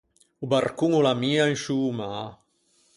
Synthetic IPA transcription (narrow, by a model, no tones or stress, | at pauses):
ubarkuŋulamiːaiŋʃuːma